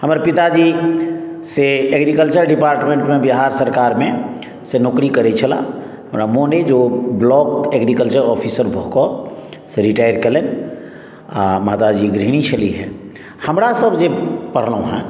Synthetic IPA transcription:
həmɾapɪt̪ad͡ʒi | seeɡɾikəlt͡ʃəɾɖɪpaːɾʈmẽɳʈmẽbəɦaːɾsəɾkaːɾmẽ | senoːkɾikəɾet͡ʃʰəla̰ | həmɾamoːned͡ʒoblɔːkeɡɾikəlt͡ʃəɾɔːpʰisəɾbʱoɦkɔseɾiʈaːjəɾkelen | amaːt̪ad͡ʒiɡɾiɽ̃it͡ʃʰəliɦɛ̰̃ː | həmɾasəbd͡ʒepəɽ̤lõɦɛ̰̃ː

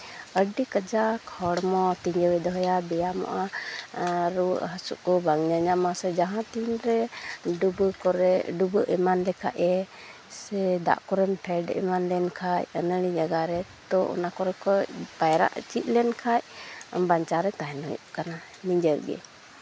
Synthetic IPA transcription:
əɖikəd͡ʒakʰɔɽmɔt̪iɲd͡ʒəwɛd̪ɔɦɔjabɛjamɔ̰ʔa | ɾṵʔɦəsuʔkɔbaŋɲaɲamasɛd͡ʒaɦãt̪inɾɛɖubəkɔɾɛɖubəʔɛmanlɛkʰa̰ʔɛ | sɛd̪a̰ʔkɔɾɛnpʰɛɖɛ̰manlɛnkʰajənəɽ̃id͡ʒaɡaɾɛt̪ɔɔ̰nakɔɾɛkɔpajɾa̰ʔt͡ʃit̪̚lɛnkʰacbaɲt͡ʃaɾɛt̪aɦɛnɔ̰jṵʔkana | miɲd͡ʒəɾɡɛ̰

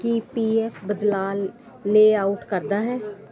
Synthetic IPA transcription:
kipiːɛːpʰbəd̪laːlː | eːaːʊʈkəɾd̪aːɦɛː

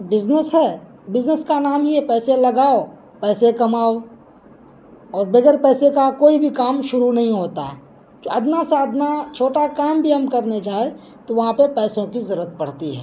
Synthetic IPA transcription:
bɪznəsɦɛː | bɪznəskanaːmɦiɛpɛːselɐɡaːo | pɛːsekɐmaːo | ɔːɾbeɡəɾpɛːsekakoːibʱikaːmʃʊɾunɐɦĩɦoːt̪aɦɛː | d͡ʒoɐd̪naseɐd̪nat͡ʃʰoːʈakaːmbʱiɦɐmkɐɾned͡ʒaːe | t̪oʋɐɦãpepɛːsõkizɐɾuːət̪̚pɐɽ̤t̪iɦɛ̰ː

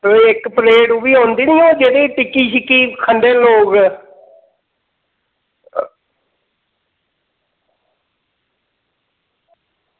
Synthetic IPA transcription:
ɪkpleːʈːbiːɦõːnd̪iːnĩːõːd͡ʒeːd̪eːʈɪkːiːʃɪkːiːkʰəɳɖeːloːɡ

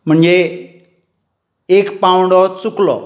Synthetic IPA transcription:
m̤əɳd͡ze | ekpãwũɳɖɔt͡suklɔ̰

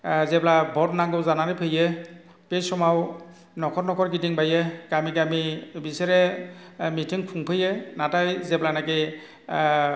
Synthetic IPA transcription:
zɛplabɔtnaŋɡɔwzanaɾipʰɯjɛ | pesɔmaw | nɔkʰɔɹnɔkʰɔɹkitiŋbajɛkamikamibisɛɾɛ | mitʰiŋkʰuŋpʰɯjɛnatajzɛplanake

